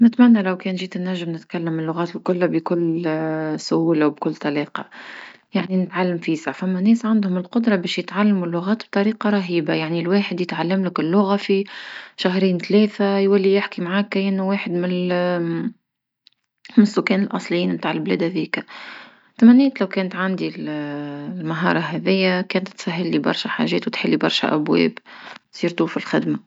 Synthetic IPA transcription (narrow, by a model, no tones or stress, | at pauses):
nɪt̪mænːælæwkɛːnʒiːt̪ɪnːæʒːɪmnɪt̪kalːəmɪlːʊɣæːt̪ɪlkʊlːabikʊlː | sʊhuːlawb̚kʊlːt̪ˤɑliːqɑ | jaʕninɪt̪ʕalːamfiːsafæmːænɛːsʕand̪hʊmɪlqʊd̪ɾˤɑbɛːʃjɪt̪ʕalːamulːʊɣæːt̪b̥̚t̪ˤɑɾiːqɑɾˤɑɦiːbajaʕnilweːħɪd̪jɪt̪ʕalːamlɪkɪlːʊɣafiʃaɦɾiːnt̪lɛːθajwælːijɪħkimʕaːkːʔɪnːuweːħəd̪mɪn | mɪnɪsːʊkːɛːnɪlʔɑsˤlɪjiːnmt̪aːʕɪlblɛːd̪hæðiːka | t̪amænːɛːt̪læwkɛːnət̪ʕand̪il | lmaɦɑ̰ːɾˤɑɦɛðɪjːakɛːnt̪ːsæɦːɪlːibɑ̰ɾˤʃæħa̰ʒɛːt̪wɪt̪ħɪlːibɑɾˤʃæ̰ʔæbwɛ̰ːbt̪sˤiːɾt̪ˤuːfilxɪd̪ma